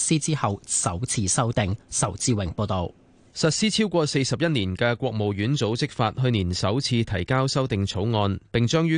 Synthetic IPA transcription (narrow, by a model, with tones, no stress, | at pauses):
siː˥t͡siː˥hɐ˨˧wsɐ˨˥wt͡sʰiː˧sɐ˥wt̪ɪ˨ŋsɐ˨˩wt͡siː˧wɪ˨˩ŋpo˧wt̪o˨w | sɐ˨t̚siː˥t͡sʰiː˥wkʷɔː˧se˧jsɐ˨p̚jɐ˥t̚niː˨˩nkɛː˧kʷɔː˧k̚mo˨˩wjyː˨˥nt͡so˨˥wt͡sɪ˥k̚faː˧t̚ɦɵ˧ɥniː˨˩nsɐ˨˥wt͡sʰiː˧t̪ʰɐ˨˩jkaː˥wsɐ˥wt̪ɪ˨ŋt͡sʰo˨˥wŋɔː˧npɪ˨ŋt͡ʃœː˥ŋjyː˥